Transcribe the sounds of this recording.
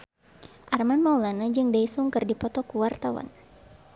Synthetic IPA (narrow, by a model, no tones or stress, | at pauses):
ʔarmanmawlanad͡ʒɨŋdaisuŋkɨrdipɔt̪ɔkuwart̪awa̰n